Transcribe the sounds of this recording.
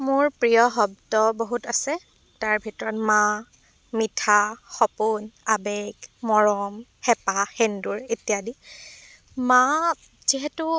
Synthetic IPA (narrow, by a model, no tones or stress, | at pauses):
mʊɹpɹijɔɦɔb̚dɔboɦutasɛ | taɹbʱitɔɹɔtma | mitʰaxɔpʊnabɛɡmɔɹɔmhɛpaxenduɹetijadi | ma | ziɦɛtu